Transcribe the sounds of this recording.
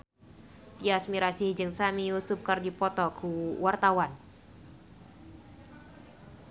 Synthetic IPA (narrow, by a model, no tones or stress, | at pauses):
t̪iasmiɾasihd͡ʒɨŋsamiusʊp̚kɨrdipɔt̪ɔkuwart̪awan